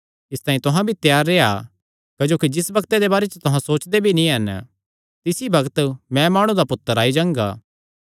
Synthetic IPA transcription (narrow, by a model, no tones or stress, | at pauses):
ɪst̪aːĩt̪ʊɦãbʱit̪jaːɾːeːa̰ | kɐd͡ʒoːkid͡ʒɪsbɐkt̪ed̪ebaːɾet͡ʃət̪ʊɦãsoːt͡ʃd̪ebʱinĩɦɐn | t̪ɪsibɐɡət̪mɛ̃maːɽ̃ũd̪apʊt̪ːəɾaːid͡ʒãːŋɡa̰ː